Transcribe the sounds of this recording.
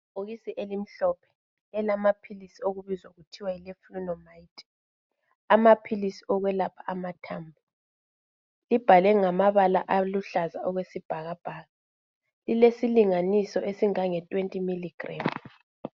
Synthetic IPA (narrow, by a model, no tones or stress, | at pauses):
oɣisiʔelim̩ɬɔpʰɛ̥ | ɛlamapʰilisioɣuβizwaɣutʰiwailɛfrunɔmaitʰʼɛ̥ | amapʰilisiɔɣwɛlapʰḁamatʰaːmbʱu | lib̥ʱalɛŋamaβalaʔaluɬazaɔɣwesib̥ʱaɣab̥ʱaːɣa | lilesiliŋanisɔʔesiŋaŋɛtʼwentʼimiliɡ̥ʱraːm